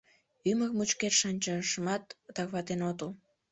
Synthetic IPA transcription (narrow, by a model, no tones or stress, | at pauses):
yməkmut͡ɕket̪ʃɑnʲt͡ɕəʃəmɑt̪t̪ɑɣβɑt̪enot̪u